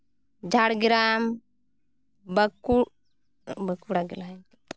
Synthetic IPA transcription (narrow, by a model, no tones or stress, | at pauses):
d͡ʒʱaɽɡiɾam | bəku | bəkuɽaɡɛlaŋ